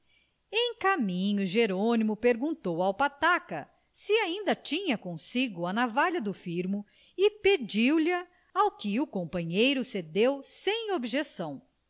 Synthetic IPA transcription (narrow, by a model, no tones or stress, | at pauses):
ẽj̃kamĩɲʊʒeɾonimʊpeɾɡũt̪owawpat̪akɐ̰ | siaĩnd̪ɐt͡ʃĩɲɐkõsiɡʊɐnavaʎɐd̪ʊfiɾmʊ | ɪped͡ʒiwlɐ | awkɪukõmpɐ̃ɲejɾʊsed̪ewsẽj̃obʒesɐ̃w̃